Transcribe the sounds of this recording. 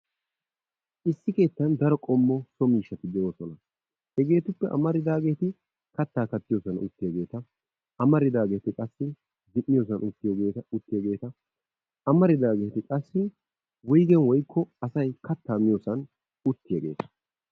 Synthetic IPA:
ʔɪsːɪke̞ːt̪ːɐnd̪ɐɾɔkʼɔmːɔsɔmiːʃːɐt̪ɪd̪ɛoːsɔnɐ | hɛɡe̞ːt̪ʊpːɛʔɐ̰mɐɾɪd̪aːɡe̞ːt̪ɪ | kɐt̪ːaːkɐt̪ːɪjoːsɐnʊ̰t̪ːɪjɐɡe̞ːt̪ɐ | ɐmɐɾɪd̪aːɡe̞ːt̪ɪkʼɐsːɪ | d̪ɪʔːɪjoːs̬ɐnʊt̪ːɪjɐɡeːt̪ɐʊt̪ːɪjaɡe̞ːt̪ɐ | ɐmɐɾɪd̪aːɡeːt̪ɪkʼɐsːɪ | wʊjɡɛnwɔjkʰːɔɐsɐjkɐt̪ːaːmɪjoːsɐn | ʊt̪ːɪjɐɡe̞ːt̪ɐ̥

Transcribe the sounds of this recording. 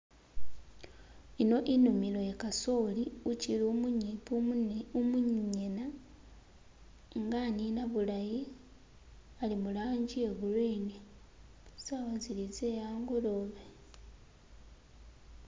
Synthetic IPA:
ino̞ʔinumilo̞jekaso̞liuciluipuumuɲɲena | ŋɡaninaβulaji | alimulaːɲɟie̞ɣulwine | zaβazilizejaːŋɡolo̞βe

